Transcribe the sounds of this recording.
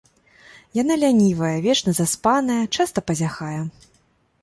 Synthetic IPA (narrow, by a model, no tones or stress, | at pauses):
jan̪alʲanʲivɐjɐvʲɛt͡ʂnɐzaspanɐjɐt͡ʂast̪ɐpɐzʲaxajɛ